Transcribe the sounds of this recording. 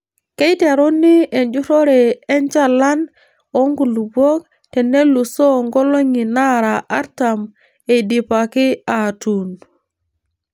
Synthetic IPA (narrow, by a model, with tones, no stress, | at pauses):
ke˦i˦ta˨ɾo˦nɪ˦e˨nd͡ʒu˦ɾɔ˦ɾɛ˨ɛ˦nt͡ʃa˦la˦n | o˦ŋɡu˨lu˨bɔ˦k̚ | tɛ˨ne˦lu˨sɔ˦ŋɡɔ˦lo˦ŋi˨na˦ɾa˨ʔa˦ɾta˨m | e˨di˨pa˨kɪ˦a˨tu˨n